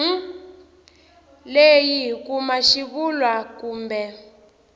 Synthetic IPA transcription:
lejik̬umaʃiβulwakuːmbɛ

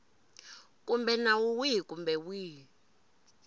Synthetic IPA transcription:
kʼumbɛnawuwikumbɛwiː

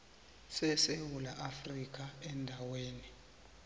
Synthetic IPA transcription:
sɛsewulaʔafrik̬ʼaɛndʱaweːni

